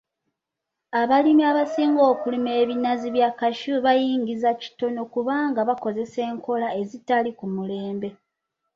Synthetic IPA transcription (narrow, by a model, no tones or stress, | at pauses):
aβalimiaβasiːŋɡo̞ːkulime̞ːβinaziβjakaʃuβajiːŋɡizaci̥to̞no̞kuβaːŋɡaβako̞ze̞se̞ːŋkʰo̞lae̞zitalikumule̞ːmbe̞